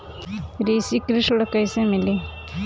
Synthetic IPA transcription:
ɾiːsikɾiʂɽkɐjsemili

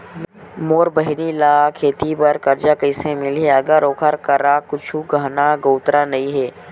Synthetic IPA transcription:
moːɾbəɦɪnilaːkʰeːt̪ibəɾkɐɾd͡ʒakəɪsẽmɪlɦeɐɡəɾoːkʰəɾkəɾakʊt͡ʃʰuɡaːnaɡoːʊt̪ɾanɐĩɦɛː

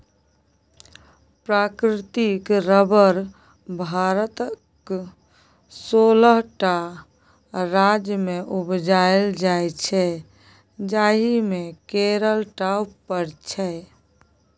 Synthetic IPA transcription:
pɾakɾɪt̪ikɾəbəɾ | bʱaɾət̪ək | soləɦʈa | ɾad͡ʒjmeʔubd͡ʒaeld͡ʒajt͡ʃʰɛ | d͡ʒaɦimekeɾəlʈawpəɾt͡ʃʰɛ

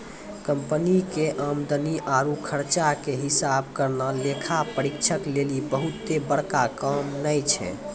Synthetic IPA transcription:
kəmpənikeʔəmd̪əniʔaɾukʰəɾt͡ʃakeɦisab̚kəɾnəlekʰapəɾikt͡ʃʰəklelibəɦut̪ːebəɽ̤kakəmnəjt͡ʃʰɛ̰

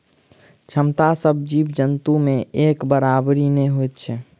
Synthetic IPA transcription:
t͡ʃʰəmt̪asəbʱd͡ʒibd͡ʒənt̪umeekbəɾabɾineɦojt̪̚t͡ʃʰɛ

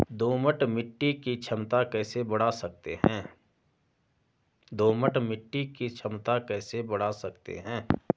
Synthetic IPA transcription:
d̪oːməʈmɪʈːikit͡ʃʰəmt̪akɛːsebɐɽ̤asɐk̚t̪ḛɦɛ̃ː | d̪oːməʈmɪʈːikit͡ʃʰɐmt̪akɛːsebɐɽ̤asɐkt̪ḛɦɛ̃ː

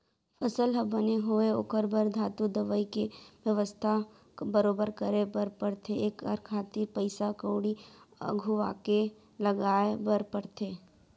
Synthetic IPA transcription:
fʰəsəlɦəbəneɦoeo̰kəɾbəɾd̪ʱaːt̪ud̪əʋəikeʋjəʋəst̪ʰa | bəɾoːbəɾkəɾebəɾpəɽt̪ʰeeːkəɾkʰaːt̪iɾpəɪsakoːɽiə̰ɡʱuʋa̰ːke | ləɡaːebəɾpəɽt̪ʰeː

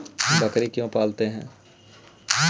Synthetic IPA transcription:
bɐkɾikjõːpaːlt̪eɦɛ̰̃ː

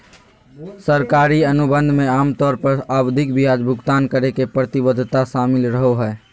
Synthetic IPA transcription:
səɾkaːɾiənubə̃nd̪ʱmẽaːmt̪ɔːɾpəɾawd̪ʱɪkbʱijaːd͡ʒbʱʊɡt̪aːnkəɾekepɾət̪ɪbəd̪ʱt̪aʃaːmɪlɾəɦoɦɛː

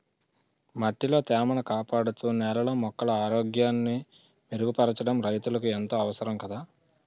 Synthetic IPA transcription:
mɐʈːilo̞ːt̪ɛːmɐɳɐkaːpaːɽut̪uːnɛlɐloːmɔkːɐlɐaːɾo̞ːɡjaːnːi | miɾuɡupɐɾɐt͡ʃɐɽɐmɾɐjt̪ulɐkuent̪o̞ːɐʋɐsɐɾɐmkɐd̪aː

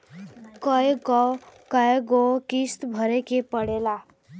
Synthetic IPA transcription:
kəeɡɔkəeɡokist̪bʱəɾekepəɽeːlaː

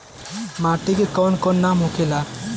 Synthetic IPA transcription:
maʈikekɔnkɔnːamɦukɛla

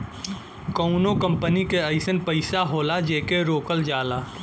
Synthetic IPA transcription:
kəʊnokə̃mpənikeəɪsənpəɪsaɦoːlad͡ʒeːkeɾoːkəld͡ʒaːlaː

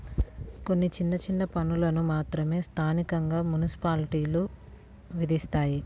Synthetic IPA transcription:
ko̞nːit͡ʃinːɐt͡ʃinːɐpɐnulɐnumaːt̪ɾɐme̞ːst̪ʰaːnikɐŋɡaːmunisi̥paːliʈiːlu | ʋid̪ist̪aːji

